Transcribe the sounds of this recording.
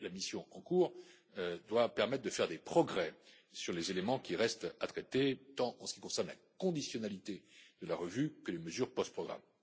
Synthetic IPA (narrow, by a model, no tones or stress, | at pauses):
lamisjɔ̃ɑ̃kuʁ | d̪wapɛʁmɛt̪̚χd̪əfɛʁd̪epχɔɡʁɛ | syʁlezelemɑ̃kʲiʁɛst̪at̪χɛt̪et̪ɑ̃ʔɑ̃sə̥kikɔ̃sɛʁnla̰kɔ̃d̪isjɔnalit̪ed̪əlaʁəvykəleməzyʁpɔst̪̚pχɔɡʁa̰m